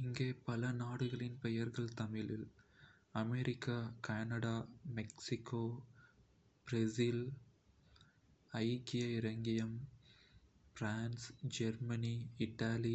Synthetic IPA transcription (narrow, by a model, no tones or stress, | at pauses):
ɪŋɡeːpɐlɐnaːɽɯɣɐɭɪnpɛjɐɾɣɐɭt̪ɐmɪlɪl | ɐmeɾʔɪkːakaːnɐɽaːmɛksɪkːoː | bɾɛsil | ɐɪkːɪjɐɪɾɐŋɡɪjɐm | fɾaːnsd͡ʒɛɾmɐniɪʈːaːli